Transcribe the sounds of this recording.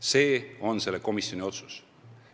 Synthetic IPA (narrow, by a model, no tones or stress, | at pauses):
se̞ːo̞nse̞lːeko̞misjo̞nʲio̞t̪su̥s